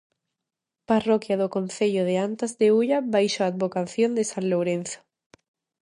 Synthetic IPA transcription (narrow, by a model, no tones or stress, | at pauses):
parokjaðokonθeʎoðeant̪azðeuʎaβajʃoad̪̚βokaθjond̪esanlowɾẽn̟θo̥